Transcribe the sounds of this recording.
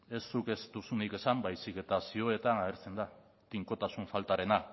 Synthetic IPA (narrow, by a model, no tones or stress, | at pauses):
e̞sːuke̞st̪usunike̞sambajsike̞t̪asioe̞t̪anaɣeɾt͡se̞nd̪a | t̪iŋko̞t̪asuɱfalt̪aɾe̞na